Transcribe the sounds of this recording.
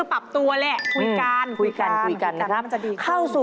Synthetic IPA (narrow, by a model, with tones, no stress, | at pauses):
pa˨˩p̚t̪u˧ɐlɛ˧˩kʰu˧jka˧nkʰu˧jka˧n˧ku˧˩jka˧nːa˦˥kʰɾa˦˥m˧t͡ɕa˨˩diː˧kʰa˥˩wsuː˨˩